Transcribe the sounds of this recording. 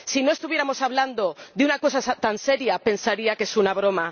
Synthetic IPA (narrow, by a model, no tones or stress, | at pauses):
sino̞e̞st̪uβjeɾamo̞saβ̞land̪o̞ðeunako̞sasat̪anse̞ɾjape̞nsaɾiakesunaβ̞ɾo̞ma